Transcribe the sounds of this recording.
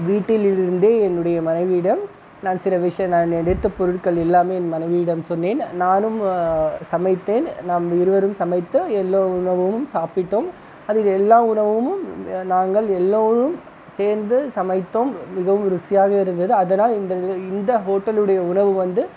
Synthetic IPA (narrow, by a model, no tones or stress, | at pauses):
ʋiːʈːɪlɪɪɾɯnd̪eːɛnːɯɽɐjɐmɐnɐɪʋɪɪɽɐm | naːnsɪlɐʋɪʂɐjɐ̃mnaːnɛɽɪt̪ːɐpɔɾɯʈ̚kɐɭɪlːaːmeːnːmɐnɐɪʋiɪɽɐmsɔnːeːnnaːnɯmsɐmɐɪt̪ːeːnnaːmɪɾɯʋɐɾɯmsɐmɐɪt̪ːɯɛlːoːʊɳɐʋɐmɯmsaːpɪʈːoːm | ɐðɯlɛlːaːʊɳɐʋɐmɯmnaːŋɡɐɭɛlːoːɾɯm | seːɾnd̪ɯsɐmɐɪt̪ːoːmːɪɣɐʋɯmɾʊsɪjaːɣɐɪɾɯnd̪ɐðɯɐðɐnaːlɪnd̪ɐɪnd̪ɐɦoːʈːɐlɯɽɐjɐʊɳɐʋɯʋɐnd̪ɯ